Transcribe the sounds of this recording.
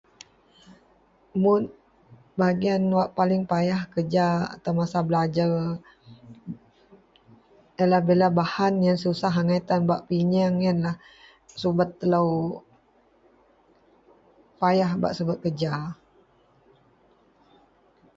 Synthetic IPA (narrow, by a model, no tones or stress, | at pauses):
mʊn | baɡianwaʔpalɪŋpajahkəd͡ʒaa̰t̪awmasabəlad͡ʒar | jalahbelabahanjaŋsəusaɦaŋajt̪anbaʔpiɲaŋanlah | subat̪ːəlaw | pajahba̰ʔsubat̪̚kəd͡ʒa